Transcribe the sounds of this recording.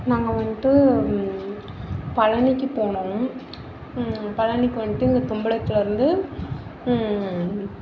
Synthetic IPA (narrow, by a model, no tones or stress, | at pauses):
naːŋɡɐʋɐnd̪ɯ | pɐɻɐnɪkːɯpoːɳõː | pɐɻɐnɪkːɯʋɐnɪʈ̪ːɯɪnd̪ɐt̪ʊmbɐɽɐt̪ːɪlɐɪɾɯnd̪ɯ